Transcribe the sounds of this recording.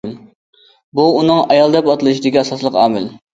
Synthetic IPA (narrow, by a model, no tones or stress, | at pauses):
buunɨŋɑjɑlˠd̪ɛpɑt̪ɨlˠɨʃid̪ɪkʲiɑsɑslˠəqɑːmɪl